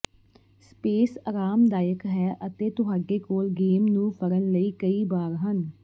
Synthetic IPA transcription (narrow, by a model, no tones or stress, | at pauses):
speːsaɾaːmd̪aːjəkɦɛːʔət̪eːt̪ʊɦaːɖeːkoːlɡeːmnũːpʰəɾənləiːkəiːbaːɾɦən